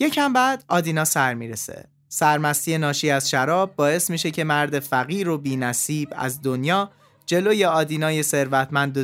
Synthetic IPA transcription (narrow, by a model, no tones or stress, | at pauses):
je̞cʰæmbæːd̪ɒːd̪inɒːsæɾmiːɾesḛ | sæɾmæst̪ije̞nɒːʃiːæz̥ʃæɾɒːb̚ːɒːe̞smiːʃe̞cʰe̞mæɾd̪efæɣiːɾobiːnæsiːbæ̰zd̪o̞njɒː | d͡ʒe̞loːjeɒːd̪iːnɒːje̞se̞ɾvæt̪ʰmænd̪o